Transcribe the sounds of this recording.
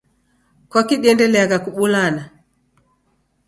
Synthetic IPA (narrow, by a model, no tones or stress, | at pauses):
kwakiɗiɛndɛlɛaɣakuɓulana